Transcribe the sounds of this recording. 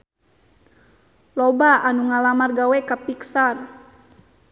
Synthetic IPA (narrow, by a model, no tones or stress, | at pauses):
lɔbaanuŋalamarɡawɛkapiksar